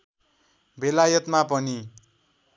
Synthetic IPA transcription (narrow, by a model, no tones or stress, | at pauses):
belajʌt̪mapʌni